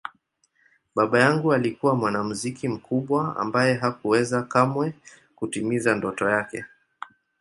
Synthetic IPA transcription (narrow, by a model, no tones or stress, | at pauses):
ɓaɓajaŋɡualikuwamwanamuzikim̩kʰuɓwaa̰mbajɛɦakuwɛzakamwɛ | kutimizandɔtɔjakɛ